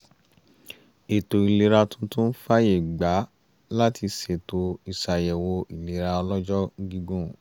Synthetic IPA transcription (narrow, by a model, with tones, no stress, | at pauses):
e˨to˨i˨le˨˧ɾa˧tũ˦tũ˦n̩˦fa˦je˨ɡ͡ba˨˦ | la˦ti˧se˨to˨˧i˨ʃa˨jɛ˨wo˧i˨le˨˦ɾa˧ɔ˧lɔ˦d͡ʒɔ˦ɡĩ˧ɡũ˦˨